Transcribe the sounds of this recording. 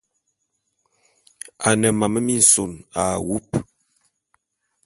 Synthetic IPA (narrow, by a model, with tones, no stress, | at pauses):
a˨nə˨ma˨mə˦mi˦n̩˨so˨na˨wu˦p